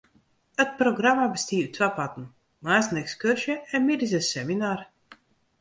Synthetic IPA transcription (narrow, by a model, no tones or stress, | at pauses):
ət̚proɡramabəstiːytʰʋapatən̩ | maːsnɛkskørʃjəɛnmidɪs̬əsɛminaːr